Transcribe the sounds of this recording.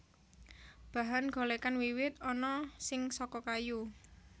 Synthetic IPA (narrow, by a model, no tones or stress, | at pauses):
b̥a̤ɦanɡ̥o̤lekanwiwɪt̪ɔnɔsɪŋsɔkɔkaju